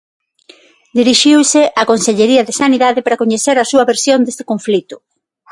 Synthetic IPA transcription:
d̪iɾiʃiwsɪʔakonseʎeɾiɐðesaniðaðepaɾɐkoɲeθeɾɐsuɐβeɾsjond̪est̪e̥koɱflit̪ʊ̥

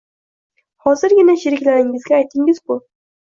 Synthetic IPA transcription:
hɒzɪɾɡʲɪnaʃɪɾɪkʲlaɾɪŋɪzɡʲaːjt̪ʰɪŋɪzbʊ

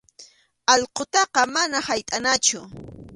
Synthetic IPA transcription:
ɑʎqot̪ɑqɑmanahajt̪ʼanat͡ʃʊ

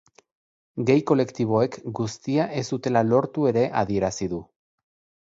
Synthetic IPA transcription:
ɡejko̞le̞kt̪iβ̞o̞e̞kɡust̪iaʔe̞sut̪e̞lalo̞ɾt̪ue̞ɾe̞ʔaðie̞ɾasiðu

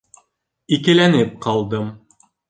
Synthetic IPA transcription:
ikɘ̆lænɘp̚qɑlˠd̪ɤm

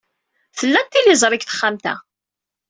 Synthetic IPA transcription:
θəlːænt̪ːilɪzˤɾˤɪkθə̥χːamt̪æ̰

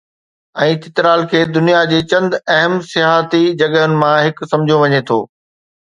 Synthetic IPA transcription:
ɛ̃ːt̪ɪt̪ɾaːlkʰeːd̪ʊnijad͡ʑeːt͡ɕɐ̃nd̪ɐɦəmsɪjaːɦt̪id͡ʑɐɠəɦʊnɪ̆mãɦɪksɐ̃md͡ʑʱijoʋɐɲet̪ʰo̰ː

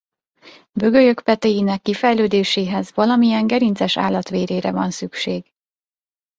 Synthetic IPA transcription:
bø̞ɡø̞jøkpɛt̪ɛjinɛkːifɛjløːd̪eːʃeːɦɛzvɒlɒmijɛŋɡɛɾint̪zɛʃa̰ːlːɒt̪ʋeːɾeːɾɛ̰vɒnsykʃeːɡ

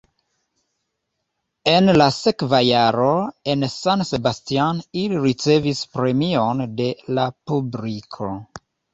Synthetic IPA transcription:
e̞nlase̞kvajaɾo̞e̞nsanse̞bastianiliɾit͡se̞vispɾe̞mio̞nde̞lapublikʰo̞

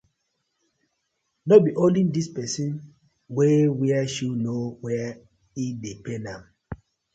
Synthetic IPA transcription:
nɔt̚biʔolĩndispɛsĩn | wewiaʃunowɛa | idepenãm

